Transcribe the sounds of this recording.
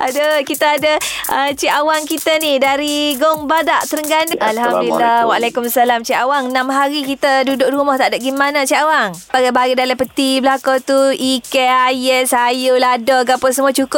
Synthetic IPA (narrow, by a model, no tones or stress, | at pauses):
ʔadəkit̪aadəʔət͡ʃiʔawaŋkit̪anidaɾiɡɔŋbadaʔt̪əɾəŋɡanʔalhamduilːawalakumsalamt͡ʃiawaŋnamɦaɾikit̪ədudʊʔ̚dɾumɔht̪aʔdap̚ɡimanat͡ʃiʔawaŋbaɡabaɡidalapət̪iblakat̪uikɛajəsajuladɔɡapʊnsəmuat͡ʃukʊp̚